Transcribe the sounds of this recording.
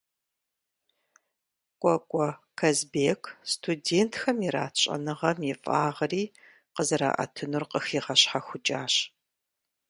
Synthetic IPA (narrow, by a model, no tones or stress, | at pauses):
kʷʼɔkʷʼɔkʰɐzbeːkʰstʰudeːntʰxɐmiɾaːt͡ʃʼɐ̰nɨʁɐmjɪfʼaːʁəriː | qəzɐɾa̰ːʔɐ̰tʰɨnurqəxiːʁɐɕħaxʷʊt͡ʃʼaːɕ